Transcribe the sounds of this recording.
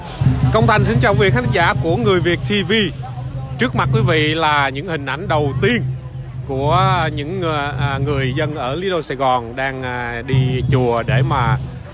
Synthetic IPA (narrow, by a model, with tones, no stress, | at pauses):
kə˧wŋ͡mt̪ʰa˨˩jŋ̟sï˧ŋt͡ɕaː˨˩wvi˧˨˩xa˦t̪ʰŋza̰ː˧˩ku˧˩əŋɨ˨˩əjvi˨˩ək̚t̪ʰi˧vi˧ | t͡ɕɨ˦˥ək̚ma˨˩t̚kwi˨˦vḭ˧˨laː˨˩ɲɨ̰˧˥ŋhï˨˩ŋ̟ʔa˧˩jŋ̟ɗə˨˩wt̪i˧ən | ku˧˩əɲɨ̰˧˥ŋ˨˩ŋɨ˨˩əjzə˧nʔəː˧˩li˨˦ɗo˧wsa̰ː˧jɣɔ˨˩nɗaː˧ŋː˨˩ɗi˧t͡ɕu˨˩əɗe˧˩maː˨˩